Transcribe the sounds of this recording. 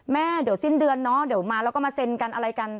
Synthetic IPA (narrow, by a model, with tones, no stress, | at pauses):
mɛː˥˩di˨˩əwsi˥˩ndɯ˧ənːɔ˦˥di˨˩˦wmaː˧lɛː˧˦˥wkɔː˥˩mːaː˧se˧nka˧nʔa˧ɾa˧jka˧n